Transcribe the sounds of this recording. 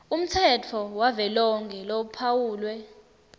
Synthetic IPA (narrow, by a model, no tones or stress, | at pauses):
um̩tʰɛt͡fʰɔwavɛlɔŋɡʱɛloupʰawuːlwɛ